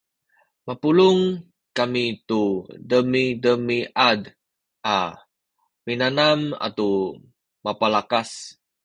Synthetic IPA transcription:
mapuluŋ | kamit̪udəmidəmiʔad | ʔa | minanama̰t̪u | mapalakas

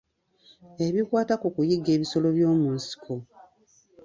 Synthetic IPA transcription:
e̞βikwaːtakukujiɡːe̞ːβiso̞lo̞βjo̞ːmunsi̥kʰo̞

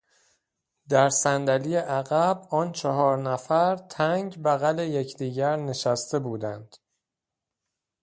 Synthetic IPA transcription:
d̪æɾsænd̪æliːjeʔæɣæbɒːnt͡ʃʰɒɦɒːɾnæfæɾt̪ʰæŋɟbæɣæle̞jecʰd̪iːɟæɾne̞ʃæst̪e̞buːd̪ænd̪̥

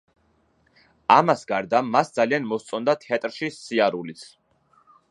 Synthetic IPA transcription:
amasɡaɾd̪amasd̪zalianmɔst̪sʼɔnd̪at̪ʰat̪ʼɾʃisiaɾulit̪sʰ

